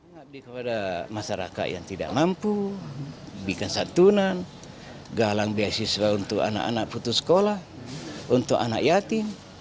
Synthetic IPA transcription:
ŋabdikəpadamasaɾa̰ka̰t̪̚ja̰ŋt̪ida̰ʔmampu | bikansat̪unan | ɡalaŋbiasiswaunt̪uka̰na̰ʔanak̚put̪uskɔlah | unt̪ukana̰kjat̪iŋ

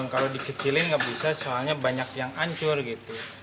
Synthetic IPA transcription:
mkalodikət͡ʃilɪnŋɡaʔbisasoalɲabaɲakjaŋaɲt͡ʃʊrɡit̪u

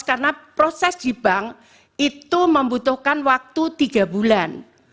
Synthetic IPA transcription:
karnapɾosɛsd̥i̤b̥aŋ | it̪uməmbut̪ʊhkanwak̚t̪ut̪iɡ̥a̤bulan

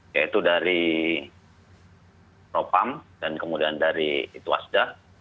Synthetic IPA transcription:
jait̪udaɾi | ɾopamdankəmudiandaɾiit̪ua̰sda

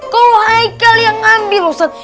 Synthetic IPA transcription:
kolohaikːaljaŋambilusat̪

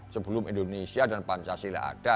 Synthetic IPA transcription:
səbəlʊmindonesiadanpant͡ʃasila̰a̰d̥a

